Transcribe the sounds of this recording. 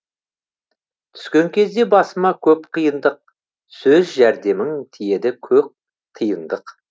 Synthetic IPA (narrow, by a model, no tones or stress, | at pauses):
t̪ʰʏ̥skʲe̞ŋkʲʰe̞zd̪e̞bɑsəmɑkʲʰɵpqʰijənd̪əq̚ | sɵzʒæɾd̪e̞mɪŋt̪ʰije̞d̪ɪkʲʰɵp̚ | qʰəjənd̪əq